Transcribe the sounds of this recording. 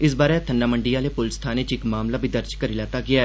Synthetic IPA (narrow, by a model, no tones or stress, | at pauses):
ɪs̬baːɾeːt̪ʰənɖaːməɳɖijaːleːpʊlst̪ʰaːneːt͡ʃɪkmaːmlaːbʱiːd̪əɾd͡ʒkəɾiːlaːt̪aːɡɪaːɛː